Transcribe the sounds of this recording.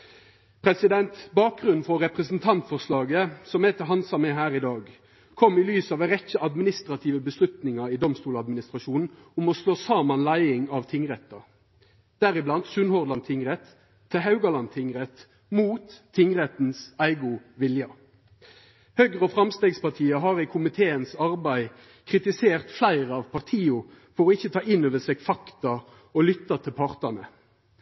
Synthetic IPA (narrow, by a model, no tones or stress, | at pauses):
pʰɾɛsɪd̪ɛnt̪bɑːk̚ɡʁʉnn̩fɔʁɛpʁɛsn̩t̪ʰɑnt̪fɔʁslɑːɡəsɔmɛt̪ʰɪɦɑnsɑmeːɦæːʁɪd̪ɑːɡ | kʰɔmːɪlyːsɑːʋʁɛçəʔɑd̪mɪnɪst̪ʁɑt̪ʰiːʋəbəslʉt̪nɪŋɑid̪ɔmst̪uːlɑd̪mɪnɪst̪ʁɑʃuːnn̩ʊmɔsloːsɑːmɑnlæɪɪŋɑʋt̪ʰɪŋʁɛt̪ːɑ | d̪̥æɾɪblɑnd̪sʉnhɔʁdlɑnt̪ʰɪŋʁɛt̪ʰː | ɛɦɑʉɡɑlɑnt̪ʰɪŋʁɛt̪ | muːt̪ʰːɪŋʁɛt̪n̩sæɪɡʊʋɪljɑ | hœɡʁɔfʁɑmst̪eːɡspɑʁt̪ʰiːɑɦɑːɾɪkʰʊmɪt̪ʰeːənsɑʁbæɪ | kʰʁɪt̪ɪseːʁt̪flæɪʁəɑʋpʰɑʁt̪ʰiːʊ | fɔʁɔɪçːət̪ʰɑːʔɪnːøːʋəseːɡfɑkt̪ɑ | ɔlʏt̪ːɑt̪ʰɪlpʰɑʁt̪ənə̰